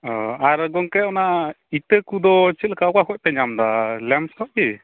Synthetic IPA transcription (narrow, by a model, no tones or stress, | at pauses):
ɔaɾɡɔŋkɛɔna | it̪əkud̪ɔt͡ʃilkawkakɔc̚p̪ɛɲamd̪alɛmskɔʔ̚ki